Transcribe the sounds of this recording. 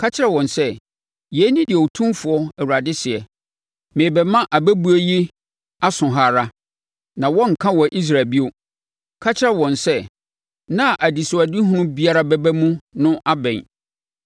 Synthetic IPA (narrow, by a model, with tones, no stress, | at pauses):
kʰa˦t͡ɕʰɪ˦ɾɛ˨wɔ̃˨nsɛ˦ | jɛ˨˦nĩ˦dɪ˨tʰũ˦mfʊ˨ɔ˦ɛ˨wu˨a˨dɪ˦sɪ˨ɛ˨ | mẽ˨bɛ˨mã˦ʔa˨bæ˦bu˦e˦ji˦ | a˦sʊ̃˨ɦa˨ɾa˦ | nã˨wɔ̃˦ŋ̩˨kʰã˦wɔ˨ʔi˦s̬ɾa˨bi˦o˦ | kʰa˦t͡ɕʰɪ˦ɾɛ˦wɔ̃˨nsɛ˦ | nã˦˨ʔa˨di˨sʊ˨a˨di˦ɦʊ̃˦nʊ̃˦bi˦a˦ɾa˦bɛ˦bæ˦mũ˦nʊ̃˦ʔa˦bɛ̰̃˨n